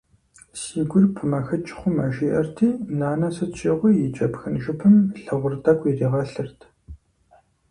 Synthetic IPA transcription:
siːɡʷʊrpʰɨmɐxɐt͡ʃʼɪ̥χʷʊmɐʒiːʔɐrtʰiːnaːnɐsɨt͡ɕʷʰiːʁʷiːjɪt͡ʃʼɐpxɨnʒɨpʰɨmɬɐʁʷʊrdɐkʷʼiriːʁɐɬɨrtʰ

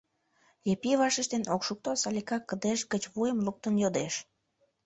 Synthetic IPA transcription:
jepiβɑʃəʃt̪enokʃuk̚t̪osɑlʲikɑkːəd̪eʃɡət͡ɕβujəmluk̚t̪ənjod̪eʃ

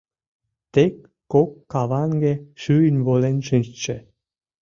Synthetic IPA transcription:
t̪ekʲː | okːɑβɑnɡʲeʃyjnʲβolenʃɨnst͡ɕĕ

